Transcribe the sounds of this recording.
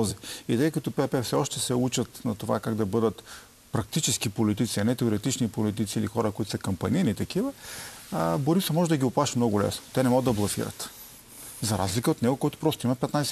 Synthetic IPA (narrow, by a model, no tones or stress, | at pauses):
ziit̪ɤjkɐt̪ʊpɛɛpɛfsɛɔʃt̪ɛsɛut͡ʃət̪nɐt̪ova̰kaɡd̪ɐbɤd̪ət̪ | pɾɐk̚t̪it͡ʃɛsk̟ipolit̪̬it̪siɐnɛt̪ɛoɾɛt̪it͡ʃnipolit̪it̪siilixɔɾəkoʊit̪ʊ̥səkɐmpɐninit̪ɐk̟ivəəboɾisɐmɔʒɛd̪ɐɡʲiʊplˠaʃɐmnɔɡʊlɛ̰snʊ̥t̪ɛnɛmɔɡəd̪ɐblˠɐsḭɾə̰t̪ | zɐɾa̰zlikəot̪nɛɡʊkɔjt̪ʊ̥pɾɔst̪oimɐpɛt̪najs